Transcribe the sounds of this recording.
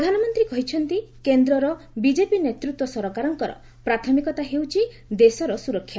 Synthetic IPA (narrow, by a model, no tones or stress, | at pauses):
pɾd̪ʱanɔmɔnt̪ɾikɔɦit͡ʃʰɔnt̪ikend̪ɾɔɾɔ | bid͡ʒepinet̪ɾut̪wɔsɔɾɔkaɾɔŋkɔɾɔ̰ | pɾat̪ʰɔmikɔt̪aɦewt͡ʃʰi | d̪esɔɾɔsuɾɔkʰːja